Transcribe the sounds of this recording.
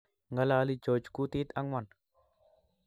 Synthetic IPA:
ŋɡa˦laː˧li˦d͡ʒo˨d͡ʒku˦t̪i˦t̪a˦ŋwa˨n

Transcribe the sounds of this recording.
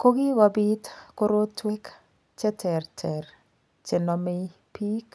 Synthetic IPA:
ko˦ɡi˦wa˦bi˦tko˦ɾo˦tːwe˦k | t͡ʃɛ˦tʰɛ˨rtʰɛ˨r | t͡ʃɛ˨nɔ˨mɪ˦ | pi˦k

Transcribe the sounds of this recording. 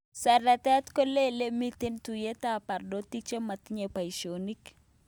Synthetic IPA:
sɛ˨rɛ˨t̪ɛ˦t̪ko˦le˦le˦mi˦t̪e˦nt̪u˨je˦t̪a˦pa˨rdo˦t̪i˦t͡ʃe˦ma˨t̪ɲe˨pa˨i˨ʃo˨ni˦k

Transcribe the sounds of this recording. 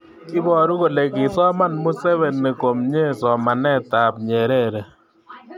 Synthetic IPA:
ki˦bɔ˨ɾu˦ko˨le˨kɪ˨sɔ˦ma˦˨nmu˦sɛ˦βɛ˨nːe˨ko˨mɲe˦sɔ˨ma˨nɛ˦ta˨p̚ɲɛ˨ɾɛ˦ɾɛ˨

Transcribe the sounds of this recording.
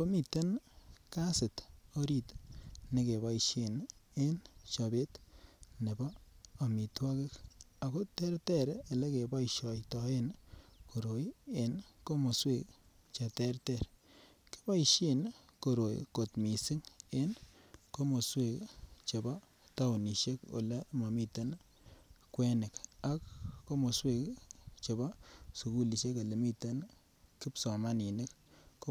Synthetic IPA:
po˦mi˨te˦nka˦sɪ˨to˦ɾi˦˨tne˨ke˨ba˦iʃe˨ne˦nt͡ʃa˨be˦tne˨baː˦˨mi˨twa˦kɪ˦ka˨ko˦tɛ˦ɾtɛ˦˨ɾe˨le˦ke˨ba˦iʃɔ˨jtɔ˨e˦nko˨ɾo˨je˨nko˦mo˨swe˦˨k | t͡ʃa˨tɛ˦ɾtɛ˨ɾ | ke̥˦pa˦iʃe˦˨nko˨ɾo˨j̰ko˨tmi˨sɪ˦ŋe˦nko˦mo˨swe˦kt͡ʃe˨ba˦ | ta˦wni˨ʃe˦ko̰˨le˦ma˨mi˦te˦n | kwɛ˦nɪ˨ka˦kːo˦mo˨swe˦kt͡ʃe˨ba˦su˨ku˦li˨ʃe˦ka˨le˨mi˦te˦n | kɪ˦psɔ˨ma˦ni˨nɪ˦kːo˦

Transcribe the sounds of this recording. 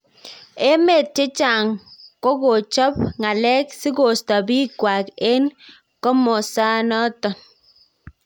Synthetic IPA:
e˦me˨t̚t͡ʃɪ˦t͡ʃa˨ŋkɔ˦ko˨t͡ʃɔ˦pŋa˨lɛ˦ksɪ˦ko˨stɔ˨bi˦kwa˨ke˦n | kɔ˦mɔ˨sa˦nɔ˦tɔ˨n

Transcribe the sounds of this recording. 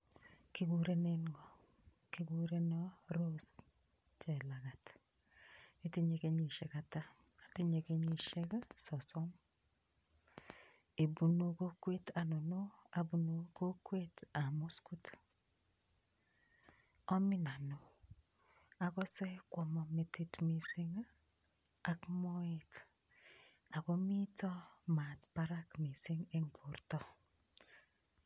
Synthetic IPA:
ki˦ɡu˨ɾe˦ne˦ŋɡɔ˨ | ki˦ɡu˦ɾe˦ne˦ɾo˦s | t͡ʃɛ˨la˨ɣa˨t | e˦ti˦ɲe˨ke˦ɲi˨ʃe˨ka˨taː˦˨ti˦ɲe˨ke˦ɲi˨ʃe˦ka˦sɔ˨sɔ˦m | e˨bu˨nu˨ko˦kwe˦ta˨no˨no˦a˨bu˨no˨ko˦kwe˦ta˨mu˦skut | ɔ˦mi˦na˨no | akɔ˦sɛ˦kwɔ˨mɔ˨mi˨titmi˨si˦ŋa | a˨kmo˦et | a˨ko˦mi˦tɔ˦ma˨tpa˦ɾa˦kmi˨si˦ŋe˦ŋpo˨ɾtɔ˦

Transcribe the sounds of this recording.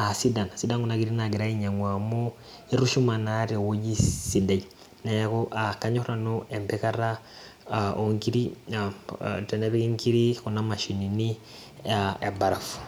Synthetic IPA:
a˨si˦da˨n˨si˦da˦ŋɡu˨na˨˦ɡi˨ɾi˦na˨ɡi˨ɾa˦i˦ɲa˨ŋwa˨mo˦ | i˦ɾu˦ʃu˦ma˨na˦ɾi˨wo˦d͡ʒi˦si˨da˨ɟ | na˨ja˦ku˦ʔa˨ka˦ɲo˦kɾa˨nu˦ɛ˨mpɛ˦ka˦ɾa˦ | o˨ŋki˦ɾḭ˦ | tɛ˨nɛ˦βe˦ki˦ŋkʰi˦ɾi˦ku˨na˦ma˨ʃi˨ni˨ni˦ | ae˨ba˨ɾa˨fu̥˨

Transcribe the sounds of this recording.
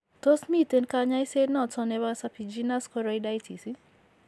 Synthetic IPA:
to˦smi˦˨te˦nka˦ɲa˦i˦se˦dnɔ˨t͡sɔ˦nɛ˨βa˦sa˧pi˨d͡ʒi˦na˦skɔ˦ɾɔ˦i˦da˦jtʰi˨si˦

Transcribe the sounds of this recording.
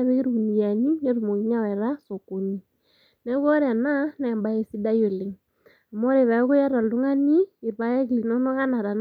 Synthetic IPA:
a˦βe˦ke˦ɾu˦˨ni˨ja˨ni˦ɲa˦ɾu˨mo˨ŋi˦ɲa˦wɛ˨ɾa˦so˨ko˨ni˦ | nɛ˨˦βɔ˦ɾe˨a˨na˦nɛː˨mba˦e˦˨si˦da˦jo˨lɪ˨ŋ | a˨mɔ˦ɾe˨βa˨˦ko˦ja˦ɾa˨du˦ŋa˦niː˦˨βa˦a˦kli˨no˦no˦ka˦na˨ɾa˨n

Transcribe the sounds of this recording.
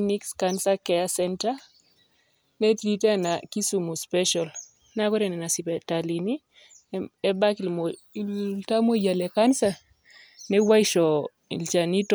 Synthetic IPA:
ni˦kskansakɛ˦a˦sɛnta˦ | nɛ˦tɾi˦tɛ˦na˨ki˦su˨mu˨spɛ˦ʃɔ˨l | na˦kɔ˦ɾɛ˨nɛ˨na˨si˨pɛ˨tali˨ni˦ | ɛ˦ba˦ki˨lmɔ˨ | ta˦mo˦ja˨lɛ˨ka˦nsa˦ | nɛ˦wa˦i˦ʃɔ˨ | ḭ˨lt͡ʃa˨ni˦tɔ

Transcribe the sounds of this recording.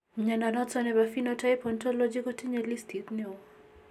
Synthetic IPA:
ɲa˨na˨nɔ˦t͡sɔnɛ˨bafi˦nota˦ipɔntɔ˦lo˦d͡ʒi˦ko˦ti˦ɲɛ˨li˦stʰi˨t̪nɪɔ˦

